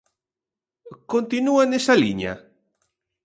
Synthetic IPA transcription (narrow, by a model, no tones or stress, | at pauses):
kõnt̪inuanesalḭɲa̰